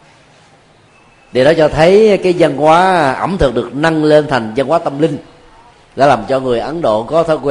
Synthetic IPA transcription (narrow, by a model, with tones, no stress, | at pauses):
ɗe˨˩ɗɔ˨˦t͡ɕɔ˧t̪ʰə˨˦jkaː˨˦jzə˧nkwaː˨˦ʔə˧˩mt̪ʰɨ˨˩k̚ɗɨ˨˩ə˩k̚na˧ŋle˧nt̪ʰa˨˩jŋ̟zə˧nkwaː˨˦t̪ə˧mlï˧ŋ̟ | la̰ː˧˥laː˨˩mt͡ɕɔ˧ŋɨ˨˩əjʔə˨˦nɗo̰˧˨kɔ˨˦t̪ʰə˧˦kwɛ˧